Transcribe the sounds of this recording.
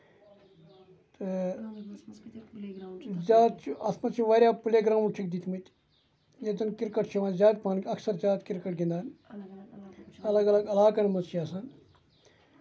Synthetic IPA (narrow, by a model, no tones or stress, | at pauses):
t̪ɨ | zʲaːt̪t͡ʃʰuɐsmɐt͡ʃʰiʋaɾʲjaːpuleɡɾãːmuʈʰik̚d̪it̪ʰmit̪ʲ | net̪ɐnkiɾkɐʈt͡ʃʰiʋãːnzʲaːt̪̚paːnkʲɐksɐɾzʲaːt̪kiɾkɐʈ̚ɡĩnd̪aːn | ɐlɐɡɐlɐɡɐlaːkɐnmɐt͡ʃʰiɐsɐn